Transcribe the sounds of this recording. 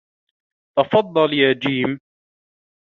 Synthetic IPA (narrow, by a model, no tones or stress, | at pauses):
t̪ɑfɑd̪ˤːɑljaːd͡ʒiːm